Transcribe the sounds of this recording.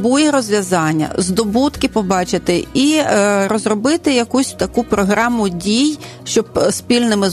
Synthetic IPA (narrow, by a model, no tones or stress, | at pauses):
bujiɾɔzʲʋʲjɐzɑnʲːɐ̰zd̪ɔbut̪kɪpɔbɑt͡ʃɪt̪ɪiɾɔzrɔbɪt̪ɪjɐkusʲt̪ɐkupɾɔɦɾɑmʊdʲij | ʃt͡ʃɔbspʲilʲnɪmɪ